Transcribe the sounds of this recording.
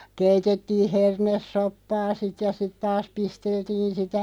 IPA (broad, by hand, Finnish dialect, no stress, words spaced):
keitetːiːh̆ hernesːopːɑː sit jɑ sit tɑːs pisteltiːn sitæ